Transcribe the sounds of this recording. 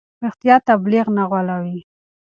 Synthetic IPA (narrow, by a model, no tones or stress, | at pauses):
ɪxt̪ijɑt̪ːabliɣnaɣwalawi